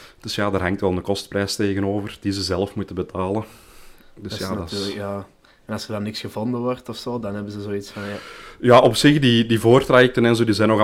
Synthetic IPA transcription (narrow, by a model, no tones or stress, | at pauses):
d̥ɵsjaːdaːrɦaŋtʋɛlˠdəkɔstprɛjsteːɣənoːvərd̥izəzɛləfmutəbətʰaːlə | d̥əsjadːəja | ɛnɑlsərdɑnɪksɣəvɔndəʋɔrtɔfsoːdɑnɦɛbəzəzoːitsfɑnjajaːʔɔpsɪxdidivoːrtrajɛk̚tənɛnzoːdizɛjnɔɣ